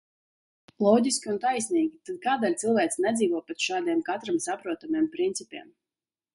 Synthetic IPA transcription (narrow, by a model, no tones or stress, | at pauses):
lˠɔːd̪ʲiskʲiunt̪ajsʲnʲiːɡʲit̪ad̪̚kaːd̪alʲt̪sɨlˠvæjt̪snɛd̪ziːvoɔpʲɛt̪ʃaːd̪iɛmkat̪ɾamsapɾuɔt̪amiɛmpɾint̪sipʲɛ̰ɛm